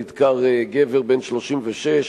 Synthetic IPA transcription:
id̪kaʁeɡeveʁbenʃloʃimveʃeʃ

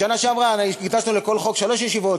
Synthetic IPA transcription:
ʃanaʃeamʁankiɡt̪asnuleko̞lχo̞kʃalo̞ʃjeʃivo̞t̪

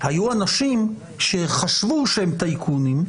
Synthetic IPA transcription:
hajuanaʃim | ʃe̞χaʃvuʃehemt̪aikʰunim

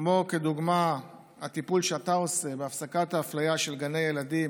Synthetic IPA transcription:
moked̪uɡma | hat̪ipulʃeat̪ao̞se̞beafsakat̪haːflajaʃe̞lɡane̞jelad̪im

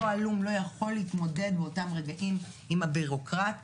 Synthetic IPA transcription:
oalumlo̞jaχo̞lːiitmo̞de̞dbeotamʁeɡaʔim | imabiʁo̞kʁat

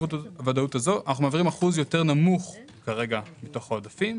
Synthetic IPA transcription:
utavadautazo̞anaχnumeaviʁimaχuzjo̞te̞ʁnamuχ | kaʁe̞ɡamito̞χaodafim

